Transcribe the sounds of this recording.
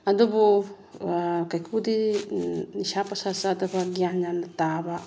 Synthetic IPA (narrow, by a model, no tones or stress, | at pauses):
adobo | kajkʰudi | nisapasasadabaɡianɲanataba